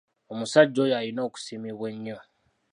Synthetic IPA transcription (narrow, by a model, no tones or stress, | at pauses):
omusaɟːo̞jalino̞ːku̥simiβwe̞ɲːo